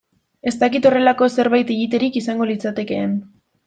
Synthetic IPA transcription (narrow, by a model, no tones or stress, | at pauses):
e̞st̪akit̪o̞re̞lako̞se̞ɾβajt̪iɣit̪e̞ɾikisaŋɡo̞lit͡sat̪e̞ke̞ːn